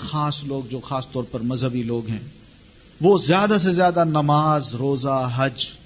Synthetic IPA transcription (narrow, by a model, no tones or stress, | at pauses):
xaːsloːɡ̚d͡ʒoːxaːst̪ɔːɾpɐɾmɐzɦəbiloːɡɦɛ̃ː | ʋoːzjaːd̪as̬ezjaːd̪anɐmaːzɾoːzaɦɐd͡ʒ